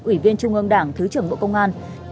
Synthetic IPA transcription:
ʔwi˧˩vi˧ənt͡ɕʊ˧ŋ͡mʔɨ˧ŋɗaː˧˩ŋt̪ʰɨ˨˦t͡ɕɨ˧˩əŋɓo̰˧˨kə˧wŋ͡mʔaː˧n

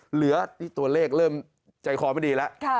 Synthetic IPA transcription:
lɯ˩˦ɐt̪ʰiː˥˩t̪u˧ɐleː˥˩k̚ɾɤː˥˩m | t͡ɕa˧jkʰɔː˨˦ma˥˩˧diː˧lɛ˦˥ʔkʰ

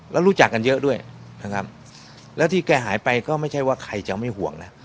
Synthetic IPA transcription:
lɛ̰ː˦˥wɾuː˦˥t͡ɕa˨˩kːa˧njɤ˦˥ʔdu˥˩əj | na˦˥˩kʰa̰˦˥p̚ | lɛː˦˥wt̪ʰiː˥˩kɛː˧˩ɦaː˩˦jpa˧jkɔː˥˩ma˥˩jt͡ɕʰa˥˩jwaː˥˩kʰa˧jt͡ɕa˨˩ma˥˩jɦu˨˩˦əŋna˦˥

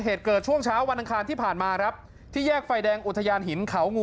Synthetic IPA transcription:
ɦeː˨˩t̪̚kɤː˨˩t̪̚t͡ɕʰu˥˩əŋt͡ɕʰaː˦˥wːa˧nʔa˧ŋkʰaː˧nt̪ʰiː˥˩pʰaː˨˩nmaː˧kʰɾa˦˥p̚ | t̪ʰiː˥˩jɛː˥˩k̚fa˧jdɛː˧ŋʔu˨˩t̪ʰːa˧jaː˧nɦi˩˦nkʰa˩˦wŋu˧

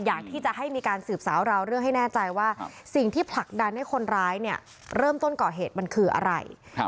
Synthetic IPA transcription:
jaː˨˩k̚t̪ʰiː˥˩t͡ɕa˨˩ɦa˥˩jmiː˧kaː˧nsɯː˨˩p̚saː˩˦wɾa˧wɾɯ˥˩əŋɦa˥˩jnɛː˥˩t͡ɕa˧jwaː˥˩si˨˩ŋt̪ʰiː˥˩pʰla˨˩k̚da˧nːa˦˥˩jkʰo˧nɾaː˦˥jni˥˩ɐ | ɾɤː˥˩mt̪o˥˩nkɔː˨˩ɦeː˨˩t̪̚ma˧nkʰɯː˧ʔa̰˧ɾa̰˧j

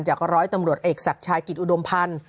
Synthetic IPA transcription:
nt͡ɕaː˨˩k̚ɾɔː˦˥jt̪a˧mɾu˨˩ət̪ʔeː˨˩k̚sa˨˩k̚t͡ɕʰaː˧jki˨˩t̪̚ʔu˨˩do˧mpʰa˧n

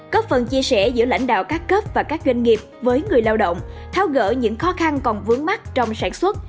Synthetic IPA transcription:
kɔː˦˥p̚fə˨˩nt͡ɕi˧əsɛ̰˧˩zɨ̰˧˥əla̰˧˥˩jŋ̟ɗa̰ː˧˨wkaː˦˥kkːəː˦˥p̚vaː˨˩kaː˦˥k̚zwa˧jŋ̟ŋi˨˩əp̚vəː˨˦jŋɨ˨˩əjlaː˧wɗə̰˧˨wŋ͡mt̪ʰaː˨˦wɣə̰ː˧˥ɲɨ̰˧˥ŋxɔ˨˦xa˧nkɔ˨˩nvɨ˨˦əŋma˦˥t̚t͡ɕɔ˧wŋ͡msaː˧˩nswə˦˥t̚

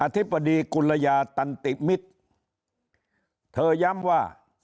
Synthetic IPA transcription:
ʔa˧t̪ʰi˦˥bːa˧diː˧ku˧la˧jaː˧t̪a˧nt̪i˨˩mi˦˥t̪̚ | t̪ʰɤː˧ja˦˥mwaː˥˩

